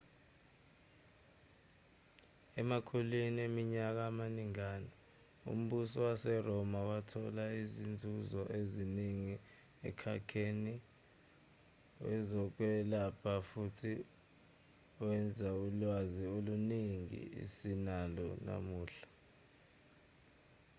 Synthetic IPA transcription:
ɛmakʰuliniemiɲak̬aːmaniŋaːni | ṵm̩ɓusɔwasɛrɔmawatʰɔlaizind͡zʱuzɔʔeziniŋi | ɛ̰kʰa̰kʰeni | wɛ̰zɔk̬wɛlapʰafutʰi | wɛnd͡zʱaulwazioluniŋḭḭsinalɔna̰muːɬḁ

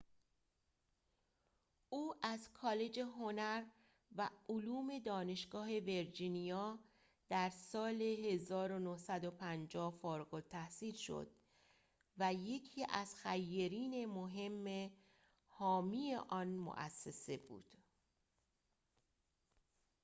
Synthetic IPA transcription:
uːʔæzkʰɒːle̞d͡ʒe̞ɦo̞næɾ | væoluːme̞d̪ɒːne̞ʃɡ̥ɒːɦe̞ve̞ɾd͡ʒiːnijɒː | d̪̥æɾsɒːle̞ɦe̞zɒːɾo̞nohsæd̪opʰænd͡ʒɒːhfoːɾɡolt̪ʰæhsiːlʃo̰d̪̥̚ | væje̞cʰiːʔæz̥xæjːeɾiːne̞moɦe̞mːe | hɒːmie̞ʔɒːnmo̰ʔæ̰sːe̞se̞bṵːd̪̥

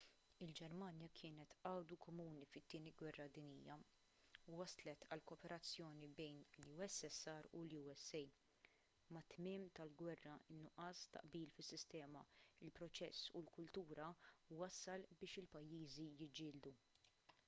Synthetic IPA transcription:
ɪld͡ʒɛɾmɐnjɐkʰɪːnɛt̪ɐwd̪ukɔmuːnifɪt̪ːɪːniɡwɛrːɐd̪ɪniːjɐ | wɐslɛt̪ɐlkɔːpɛɾɐt͡sːjɔːnibɛjnluːɛsːɛsːɐɾuluːɛsːɛj | mːɐt̪mɪːmt̪ɐlɡwɛrːɐɪnːʊʔɐːst̪ɐ̰ʔbiːlfɪsːɪst̪ɛːmɐ̰ɪlpɾɔt͡ʃɛsːṵlkʊlt̪uːɾɐwɐsːɐlbɪːʃɪlpɐjːiːzijɪd͡ʒːɪːld̪u

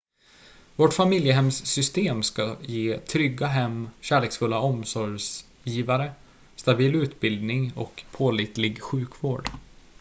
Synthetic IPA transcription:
vɔʈfamɪljəɦɛmsːʏst̪eːmskajeːt̪ʰɾʏɡːaɦɛmːɕæːɭeːksfɵlːaɔmsɔɾs | jiːvaɾə | st̪abiːlʉ̟ːt̪bɪld̪nɪŋɔ̰kpʰoːliːt̪lɪɡɧʉ̟ːkvoːɖ

